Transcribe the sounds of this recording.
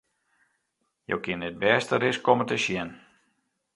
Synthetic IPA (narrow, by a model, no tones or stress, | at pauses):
jo̰wkɪnɪt̚bɛːstəɾɪskɔmətəʃjɪn